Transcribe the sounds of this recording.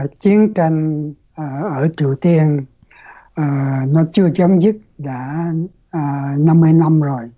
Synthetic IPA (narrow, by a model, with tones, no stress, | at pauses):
t͡ɕi˨˦ənt͡ɕi˧ŋ̟ː˨˩ | ʔəː˧˩t͡ɕi˧˩wt̪i˧ən | ʔəː˨˩nɔ˨˦t͡ɕɨ˧ət͡ɕə˨˦wŋ͡mzɨ˦˥t̚ɗaː˧˥˨ | na˧mːɨ˧əjna˧mzo˨˩j